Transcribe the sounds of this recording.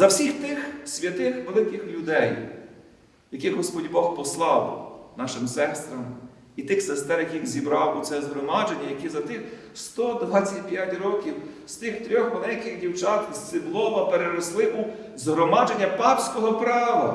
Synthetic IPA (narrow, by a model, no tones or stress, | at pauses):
zɐwsʲixt̪ɪxsʲʋʲɐt̪ɪxʋelˠɪkɪxlʲʊd̪ɛj | jɐkɪɣɦɔspɔdʲbɔxpɔslˠɑwnɑʃɪmsɛst̪ɾɐm | it̪ɪxsest̪ɛɾjɐkʲixzʲibɾɑwut̪sɛzɦɾɔmɑd͡ʒenʲːɐjɐkʲizɐt̪ɪx | st̪ɔd̪ʋɑt͡sʲːɐt̚ʲpʲjatʲrɔkʲiwst̪ɪxt̪ɾʲɔxmɔlˠɛjɐkɪɣdʲiwt͡ʃɑt̪ssɪblˠɔʋɐpeɾeɾɔslˠɪʔu | zɦɾɔmɑd͡ʒenʲːɐpɑpsʲkɔɦɔpɾɑʋɐ̰